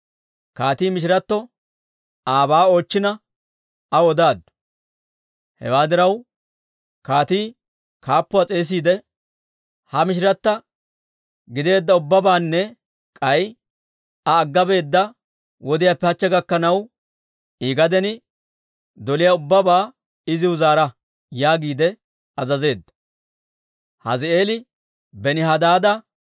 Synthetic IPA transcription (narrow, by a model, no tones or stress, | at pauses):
kaːt̪iːmɪʃ̬ɪɾɐt̪ːɔ | aːbaːo̞ːt͡ʃːɪnɐ | ɐwɔd̪aːd̪ːʊ̥ | hɛ̰waːd̪ɪɾɐw | kaːt̪iː | kaːpːʊat͡sʼe̞ːs̬iːd̪ɛ | hɐmɪʃ̬ɪɾɐt̪ːɐ | ɡɪd̪e̞ːd̪ːɐʊbːɐbaːnːɛ | kʼɐj | ɐːɡːɐbe̞ːd̪ːɐ | wɔd̪ɪjaːpːɛhɐt͡ʃːɛɡɐkːɐnɐw | ʔiːɡɐd̪ɛnɪ | d̪ɔlɪjaʊbːɐbaː | ɪzɪʊzaːɾɐ | jaːɡiːd̪ɛ | ɐzɐze̞ːd̪ːɐ̥ | hɐ̰zɪe̞ːlɪ | bɛnɪɦɐd̪aːd̪ɐ